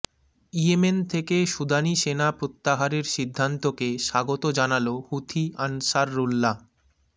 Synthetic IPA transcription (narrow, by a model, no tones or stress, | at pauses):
iement̪ʰekeʃud̪ʱaniʃenapɾot̪ːaɦaɾeɾʃid̪ʱːant̪okeʃaɡot̪od͡ʑanalohut̪ʰianʃaɾːulːa